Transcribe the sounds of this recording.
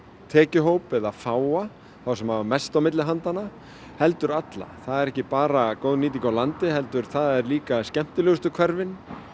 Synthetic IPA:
t̪ʰɛːcɪɦoːwpɛðafaːwa | θawsɛmhavamɛst̪awmɪt̪lɪɦant̪ana | hɛl̪t̪ʏɾat̪la̰θaðɛɾɛhcɪpaːɾakoːwðniːt̪̬ikawlant̪ɪɦɛlt̪ʏɾ̥θaðɛɾliːkascɛm̥t̪ʏlɛɣʏst̪ʏkʰvɛɾvɪn

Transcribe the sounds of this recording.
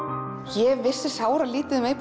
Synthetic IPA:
çɛvːɪ̥sːɪ̥saːwɾaliːt̪ɪðʏmeːjp

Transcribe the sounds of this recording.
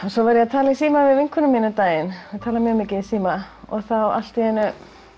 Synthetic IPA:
sɔvaɾjɛat̪ʰaːlɪisiːmavɪðvɪŋkʰvʏnʏmiːnʏt̪aːjɪnɛt̪ʰaːlamjœːɣmɪːcɪsiːmaɔ̰ɣθawa̰l̥t̪ɪhɛnːʏ

